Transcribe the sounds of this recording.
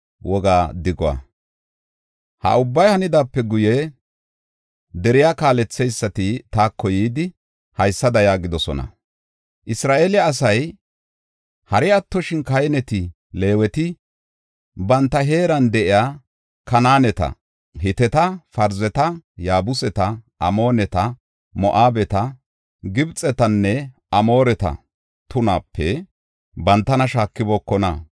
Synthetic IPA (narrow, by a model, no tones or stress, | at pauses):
wʔɔɡaːd̪ɪɡɔwa̰ | hɐ̰ʊbːɐjhɐnɪd̪aːpːɛɡʊjɛ | d̪ɛɾɪjaːkaːlɛt͡sːɛjsːɐt̪ɪt̪aːkʰːɔjiːd̪ɪ | hɐjsːɐd̪ɐjaːɡɪd̪ɔsɔ̰nɐ̰ | ʔɪsɾaːʔeːlɪjaːs̬ɐj | hɐɾɪɐt̪ːɔʃɪnkɐjnɛt̪ɪ | le̞ːwɛt̪ɪ | bɐnt̪ːɐɦe̞ːɾɐnd̪ɛʔɪjaː | kɐnaːnɛt̪ɐ̰ | ɦɪt̪ɛt̪ɐfɐɾzɛt̪ɐjaːbʊsɛt̪ɐʔɐmo̞ːnɛt̪ɐ | mɔʔaːbɛt̪ɐ | ɡɪbt͡sʼːɛt̪ɐnːɛ | ʔɐmo̞ːɾɛt̪ɐ̰ | t̪ʊnaːpːɛ | bɐnt̪ːɐnɐʃaːkːɪbɔːkːɔnɐ̰